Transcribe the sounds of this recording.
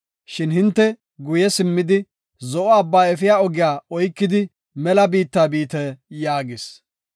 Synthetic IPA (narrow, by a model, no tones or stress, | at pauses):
ʃɪnɦɪnt̪ːɛ | ɡʊjɛsɪmːɪd̪ɪ | zɔʔɔɐbːaːɛfɪjaːɔɡɪjaːɔjkːɪd̪ɪ | mɛlɐbiːt̪ːaːbiːt̪ɛjaːɡɪs